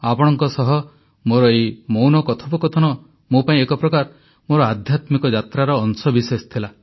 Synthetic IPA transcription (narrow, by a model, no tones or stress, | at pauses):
apɔɽ̃ɔŋkɔsɔɦɔ | moɾɔejmownɔkɔt̪ʰɔpɔkɔt̪ʰɔnɔ | mopaĩekɔpɾɔkaɾ | moɾɔad̪ʱjat̪mikɔd͡ʒat̪ɾaɾɔːnsɔbisest̪ʰila